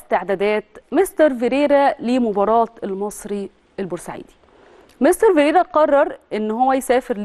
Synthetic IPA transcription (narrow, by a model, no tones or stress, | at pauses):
st̪eʕd̪æd̪æːt̪mest̪ɑɾˤveɾeːɾælimʊbɑɾˤɑːt̪elmɑsˤɾi | ʔelboɾsaʕḭːd̪i̥ | mest̪ɑɾveɾeːɾæqɑrˤːɑɾˤʔenːhowːæjsæːfɪɾl